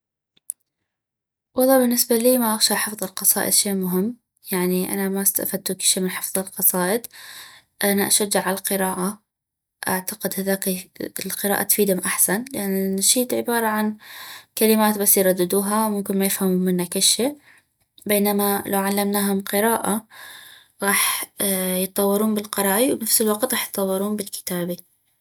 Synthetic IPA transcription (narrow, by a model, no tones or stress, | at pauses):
wɑlˤːɑːbɪnːɪsbaliːmaʔaɣʃaʔħɪfðˤɨlqɑsˤɑ̰ːʔɪ̰d̪ʃeːʔmʊɦɪmː | jaʕniʔa̰namast̪a̰ʔfad̪̚t̪ukɪʃeːmɪnħɪfðˤɪlqɑsˤɑːʔɪd̪ | ʔanaʔaʃad͡ʒːɪʕalaqɨɾaːʔa | ʔaʕt̪aqɪd̪haðaːklqɨɾa̰ːʔa̰t̪fiːd̪hʊmʔaħsanlɪʔanːaʃiːt̪ʕɪbɑːɾˤɑʕankalɪmaːt̪basːjɾˤɑd̪ːɪd̪uːɦawmʊmkɪnmajɪfhamumɪnːakɪʃeʔ | beːnamalʔawʕalːamnaːɦʊmqɨɾaːʔa | ɣɑːħ | jɨt̪ˤːɑwːɪɾuːnbɪlqɑɾˤɑːʔiwnafsɪlwɑqt̪ɣɑːħjt̪ˤːɑwːɪɾuːnbɪlkɪ̥t̪aːbi